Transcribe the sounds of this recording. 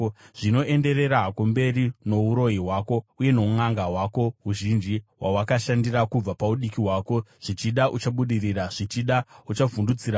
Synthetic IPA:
ʐ̥ino̞ʔe̞nde̞re̞ɾakombe̞rino̞uɾo̞jiɦwaːko̞uje̞no̞uŋaŋɡaɦwako̞ɦuʒind͡ʒiɦwʔawakaʃandirakub͡vapauɗikiɦwaːko̞ʐ̥it͡ʃiɗaʔut͡ʃaɓuɗiriraʐ̥it͡ʃiɗaut͡ʃavundud͡ziɾa

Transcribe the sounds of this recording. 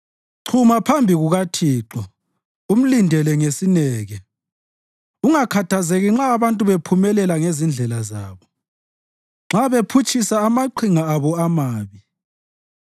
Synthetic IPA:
ǀʰumapʰambʱiɣuɣatʰiːǃɔ | um̩lindʱɛlɛŋesinɛːɣɛ | uŋakʰatʰazeɣiŋ͡ǁaːβantʼuβepʰumɛlɛlaŋezind͡ɮʱɛlazaːβɔ | ŋ͡ǁaβepʰut͡ʃʼisaːmaǃiŋaːβɔamaːβi

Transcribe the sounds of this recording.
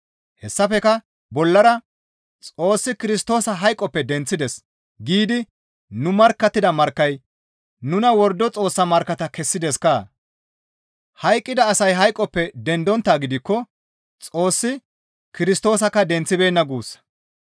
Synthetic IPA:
hɛsːɐfɛkɐ | bɔlːɐɾɐ | t͡sʼo̞ːsːɪkɪɾɪs̬t̪o̞ːsɐɦɐjkʼːɔpːɛd̪ɛnt͡sːɪd̪ɛs | ɡiːd̪ɪ | nʊmɐɾkːɐt̪ːɪd̪ɐmɐɾkːɐj | nʊnɐwɔɾd̪ːɔt͡sʼo̞ːsːɐmɐɾkːɐt̪ɐkɛsːɪd̪ɛskaː | hɐjkʼːɪd̪ɐːsɐjɦɐjkʼːɔpːɛd̪ɛnd̪ɔnt̪ːaːɡɪd̪ɪkːɔ | t͡sʼo̞ːsːɪ | kɪɾɪst̪o̞ːs̬ɐkːɐd̪ɛnt͡sːɪbe̞ːnːɐɡuːs

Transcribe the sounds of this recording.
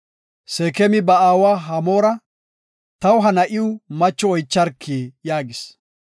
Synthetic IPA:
seːkɛmɪbɐaːwaːɦɐmoːɾɐ | t̪ɐwʊɦɐnɐʔɪʊmɐt͡ʃːɔɔjt͡ʃːɐɾkʰːejaːɡɪs

